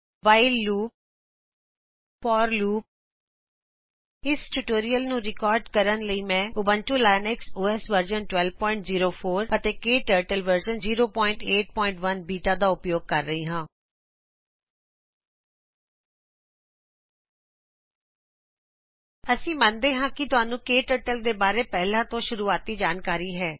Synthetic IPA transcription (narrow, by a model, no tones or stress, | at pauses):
ʋaːɪlːuːp̚ | pɔːɾluːp̚ | ɪsʈuʈoːɾijəlnũːɾɪkɔːɾɖkəɾənləiːmɛ̃ːʊbə̃nʈuːlaːnɛksuːɛsʋəɾd͡ʒənʈwɛlʋpɔːɪ̃ɳʈziːɾoːpʰoːɾət̪eːkeːʈəɾʈəlʋəɾd͡ʒənziːɾoːpɔːɪ̃ɳʈeːʈ̚pɔːɪ̃ɳʈʋənbiːʈãːd̪aːʊpjoːɡ̚kəɾːəɦiːɦãː | əsĩːmənd̪eːɦãːkɪt̪ʊɦaːnũːkeːʈəːɾʈəld̪eːbaːɾeːpɛːlãːt̪õːʃʊɾuːaːt̪iːd͡ʒaːnkaːɾiːɦɛː